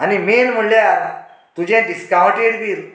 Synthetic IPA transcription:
animenm̤uɭlja | t̪ud͡ʑẽɖiskãwʈeɽd̪iːɾ

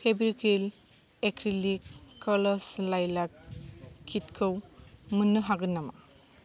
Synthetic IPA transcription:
pʰebɾikʰil | ekʰɾilikkːɔlɔslajlak̚kʰːit̚kʰɯwmɯnːɯɦaɡɯnːama̰

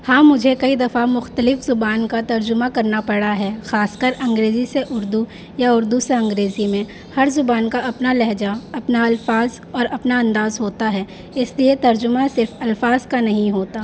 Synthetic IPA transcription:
hãːmʊd͡ʒʱekɐid̪ɐfamʊxt̪əlɪfzʊbaːnkat̪ɐɾd͡ʒʊmakɐɾnapɐɽaɦɛːxaːskəɾɐ̃ŋɡɾeːziseʔʊɾd̪u | jaʊɾd̪useɐ̃ŋɡɾeːzimẽ | hɐɾzʊbaːnkaɐpnalɛɦd͡ʒaɐpnaɐlfaːz | ɔːɾɐpnaɐ̃nd̪aːzɦoːt̪aɦɛː | ɪsliet̪ɐɾd͡ʒʊmãsɪɾfɐlfaːzkanɐɦĩɦoːt̪aː

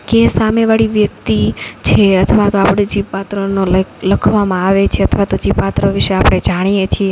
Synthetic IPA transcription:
kesameʋaɭiʋjək̚t̪it͡ʃʰeət̪ʰəʋat̪oapɽ̃ed͡ʒiʋpat̪ɾənolləkʰʋamãaʋet͡ʃʰeət̪ʰəʋat̪od͡ʒipat̪ɾəʋiʃeapɽ̃ed͡ʒaɽ̃ijet͡ʃʰie

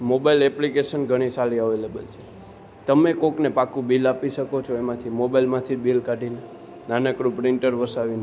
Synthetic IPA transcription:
mobailɛplikeʃənɡʱəɽ̃isaliəʋelebə̰lt͡ʃʰe | t̪əmekoknepakũbilapiʃəkot͡ʃʰoemãt̪ʰimobailmãt̪ʰibilkaʈine | nanəkɾũpɾiɳʈəɾʋəsaʋine

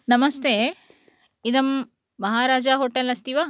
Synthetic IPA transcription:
nɐmɐst̪eː | id̪ɐmː | ɐɦaːɾaːd͡ʒaɦoːʈelɐst̪iʋaː

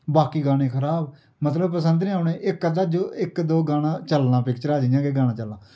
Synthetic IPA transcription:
baːkiːɡaːɽ̃ẽːkʰəɾaːb | mət̪ləbpəsənd̪nẽːaːneːʔɪkːəd̪aːd͡ʒoːɪkd̪oːɡaːɽãːt͡ʃəlnãːpɪkt͡ʃəɾaːd͡ʒɪjãːɡeːɡaːnãːt͡ʃəlnãː

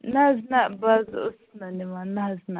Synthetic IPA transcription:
naznaʔbazosnanimanazna

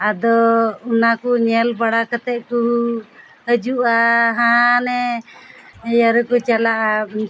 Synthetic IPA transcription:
ad̪ɔunakuɲɛlbaɽakət̪ɛʔ̚ku | həd͡ʒuʔaɦãnɛ | jəɾɛkut͡ʃalaʔa

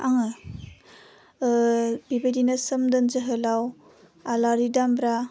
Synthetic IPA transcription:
aŋɯ | bibajdinasɯmdənzəɦɯlaw | alaɾidambɾa

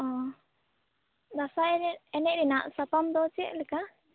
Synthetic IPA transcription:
ɔ̃ | d̪asaɛɾiɛnɛʔɾinaʔsapamd̪ɔt͡ʃija̰ʔlɛka

